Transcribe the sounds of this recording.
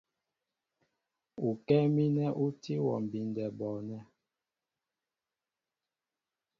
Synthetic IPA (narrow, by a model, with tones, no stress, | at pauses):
u˨kɛ˦mi˦nɛ˦ʔu˦ti˦wɔ̰˨m˨bi˨n˨dɛ˨bɔ˨nɛ˦